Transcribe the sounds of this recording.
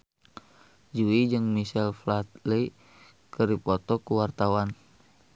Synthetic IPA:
d͡ʒuid͡ʒɨŋmiʃɛlflat̪̚lei | kəɾipɔt̪ɔkuwart̪awan

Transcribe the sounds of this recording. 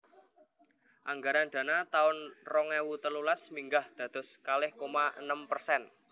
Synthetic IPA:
ʔaŋɡaɾanɖ̥̪ä̤nat̪aʊnrɔŋɛwut̪əlulasmiŋɡahd̪̥ä̤d̪̥ɔ̤skalɪhkomaʔə̰nəmpərsɛn

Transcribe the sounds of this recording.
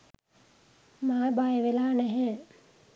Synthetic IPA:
maːbajeʋelaːnɛɦɛː

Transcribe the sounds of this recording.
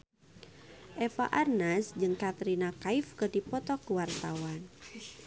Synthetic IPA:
ʔɛpa̰ʔarnasd͡ʒɨŋkat̪ɾinakaifkərdipɔt̪ɔkəwart̪awan

